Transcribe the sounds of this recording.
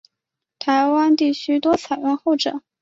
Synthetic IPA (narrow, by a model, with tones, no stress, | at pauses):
t̪ʰa˧˥ɪwa˥nt̪i˥˩t͡ɕʰy˥t̪wɔ˥t͡sʰa˨˩ɪɻwə˥˧nxo˥˩ʊʈ͡ʂɤ̰˨˩˦